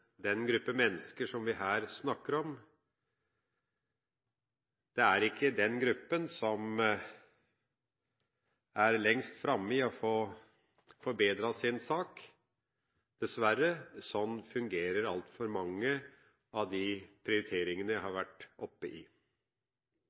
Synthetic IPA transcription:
d̪ɛnɡɾʉpːəmɛnːəskəʂɔmʋɪɦæːɾsnɑkːəɾɔm | d̪̥ɛæɾɪkʰːəd̪ɛnɡɾʉpːənsɔm | æɾlɛŋst̪fɾɑmːəɪɔfoː | fɔɾbeːd̪ɾɑsɪnsɑːk | d̪̥ɛsʋæɾːəsɔnːfʉŋɡeːɾəɾɑlt̪fɔɾmɑŋːə | ɑʋd̪ɪpʰɾɪʊɾɪt̪ʰeːɾɪŋənəjæhɑɾʋæʈːʔɔpːəʔɪ

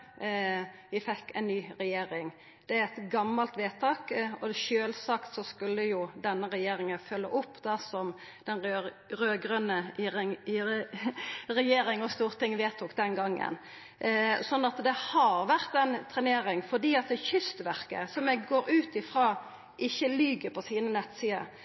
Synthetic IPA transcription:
ʋɪfɛkːɛɪnnyːɾɛjeːɾɪŋ | d̪̥ɛæɾɛt̪ɡɑmːɑlt̪ʋeːt̪ʰɑːkɔʃøːlsɑkt̪sɔskʉlːəjʊd̪ɛnːəɾɛjeːɾɪŋənfœlːə̰ʔʊpːd̪ɑsɔm | d̪̥ɛnʁø | ɾøːɡɾœnə | ʁɛjeːɾɪŋɔst̪uːʁt̪ɪŋʋeːt̪uːkd̪ɛnɡɑŋːə̰n | sɔnːɑt̪d̪ɛhɑɾʋæʁt̪ɛnt̪ʰʁɛneːɾɪŋfɔd̪iːɑt̪̚d̪ɛçʏst̪ʋæʁkə̰sɔmɛɡɡoːɾʉːt̪ɪfʁɑː | ʔɪçːəlyɡəpʰɔsiːnənɛt̪ːsiːə̰

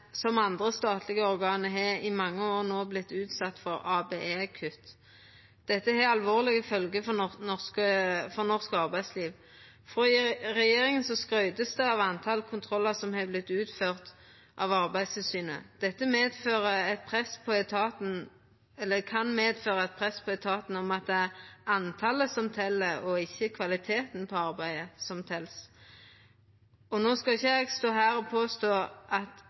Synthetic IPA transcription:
sɔmɑnd̪ʁəst̪ɑːt̪ʰlɪɡəɔɾɡɑːnəɦɛɪmɑŋːəoːʁnoːblɪt̪ːʉːt̪sɑt̪ːfɔɾɑːbeːʔeːkʰʉt̪ | d̪̥ɛt̪ːəɦɛɑlʋoːʁlɪɡəfœlɡəfɔnɔskəfɔnɔʁskɑʁbæɪsliːʋ | fɔɪʁɛjeːɾɪŋənsɔskɾœʏd̪əsd̪ɛɑʋɑnt̪ʰɑlkʰʊnt̪ʰʁɔlːəsɔmhɛblɪt̪ːʉːt̪føːʁt̪ | ʔɑ̰ʋɑʁbæɪst̪ɪlsyːnə̰d̪̥ɛt̪ːəmeːd̪føːʁəɛt̪̚pʰɾɛspʰɔɛt̪ʰɑːt̪n̩ | ɛlːəkʰɑnmeːd̪føːɾəɛt̪̚pʰʁɛspʰɔɛt̪ʰɑːt̪n̩ɔmɑt̪̚d̪ɛæɾɑnt̪ʰɑləsɔmt̪ʰɛlːəɔɪçːəkʰʋɑlɪt̪ʰeːt̪npʰɔɑɾbæɪəsɔmt̪ʰɛls | ɔnoːskɑɪçːəæɡst̪oːɦæːɾɔpʰoːst̪oːʔɑt̪

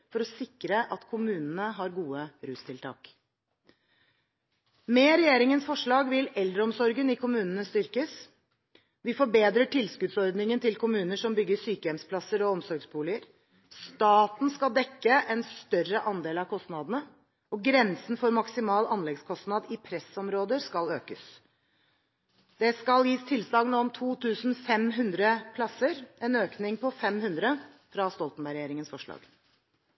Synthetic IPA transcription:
fɔɾɔsɪkːɾəʔɑt̪kʰʊmʉːnənəɦɑɾɡuːəɾʉːst̪ʰɪlt̪ʰɑ̰ːk | mɛːɾɛjeːɾɪŋənsfɔʂɭɑːɡʋɪlɛld̪ɾəɔmsɔɾɡənɪkʰʊmʉːnənəst̪ʏɾkəs | ʋɪfɔbeːd̪ɾəʈʰɪlskʉd̪sɔɾd̪nɪŋənt̪ʰɪlkʰʊmʉːnəʂɔmbʏɡːəsyːkəjɛmspʰlɑsəɾɔɔmsɔɾɡsbuːlɪəɾ | st̪ɑːt̪n̩skɑld̪ɛkːəʔɛnst̪œrəʔɑnd̪eːlɑʋkʰɔst̪nɑd̪n̩ə | ɔɡɾɛnsn̩fɔɾmɑksɪmɑːlɑnlɛɡskʰɔst̪nɑd̪ɪpʰɾɛsɔmɾoːd̪əɾskɑløːkəs | d̪̥ɛskɑljiːst̪ʰɪlslɑːɡnuːəmt̪ʰuːt̪ʰʉːsn̩fɛmɦʉnd̪ɾəpʰlɑsəɾɛnøːknɪŋpɔfɛmhʉnd̪ɾə | fɾɑst̪ɔlt̪n̩bæɾəjeːɾɪŋənsfɔʂɭɑ̰ːɡ̥

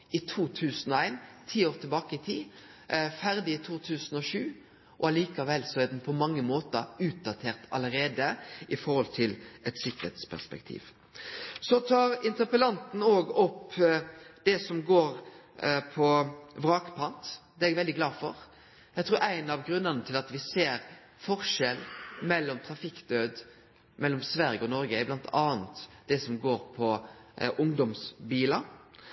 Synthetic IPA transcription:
ɪt̪ʰuːt̪ʰʉːsənɔæɪnt̪ʰiːoːʁt̪ʰɪlbɑːkəɪt̪ʰiː | fæɾd̪ɪɪt̪ʰuːt̪ʰʉːsnɔʃʉː | ʔɔɑliːkɑʋɛlːsɔæd̪ɛnpʰɔmɑŋːəmoːt̪əɾʉːt̪̚d̪ɑt̪ʰeːʁt̪ʰɑləɾeːd̪əʔɪfɔɾhɔlt̪ʰɪlɛt̪sɪkːəɾet̪spʰæ̰spɛ̰k̚t̪ʰḭːʋ | sɔt̪ʰɑːɾɪnt̪əʁpəlɑnt̪n̩oːɡɔpː | d̪̥ɛsɔmɡoːɾ | pʰɔʋɾɑːkpʰɑnt̪d̪ɛɛɡʋɛld̪ɪɡlɑːfɔ̰ɾ | jæɪt̪ʰɾuːɾæɪnɑʋɡɾʉnːənət̪ʰɪlɑt̪ʋɪseːɾ | fɔɾʂɛlmɛlːɔmt̪ʰɾɑfɪkd̪øːd̪ | mʔɛlːɔmsʋæɾjəɔnɔɾɡəblɑnt̪ʰɑːnt̪d̪̥ɛsɔmɡoːɾpʰɔʔʊŋd̪ɔmsbiːlɑ

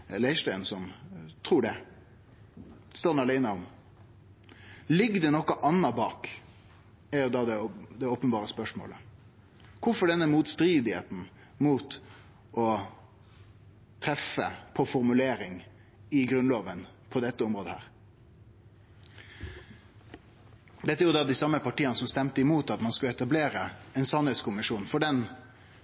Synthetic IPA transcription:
læɪʂt̪æɪnsɔmt̪ʰʁuːɖɛ | st̪oːnɑlæɪnəɔm | lɪɡːd̪ɛnɔkːɑʔɑnːɑbɑːk | æɾjʊd̪ɑd̪ɛd̪ɛoːpənbɑːʁəspœʂmo̰ːlə̰ | kʰʊfɔɖɛnːəmuːt̪st̪ɾiːd̪ɪhḛːt̪n̩ | muːt̪ | ɔ | t̪ʰɾɛfə̰pʰɔfɔɾmʉleːɾɪŋ | ɪɡɾʉnloːʋən | pʰɔd̪ɛt̪ːəɔmɾoːd̪əhæ̰ːɾ | d̪ɛt̪ːəjʊd̪ɑːd̪ɪsɑmːəpɑʈiːənəsɔmst̪ɛmt̪əɪmuːt̪ɑt̪mɑnskʉləɛt̪ɑbleːɾəɛnsɑnhɛt̪skʊmɪʂuːnfɔɖɛn

